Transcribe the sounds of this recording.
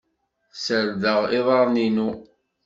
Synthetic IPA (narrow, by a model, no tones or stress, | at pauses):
səɾðəʁɪðˤɑɾˤninu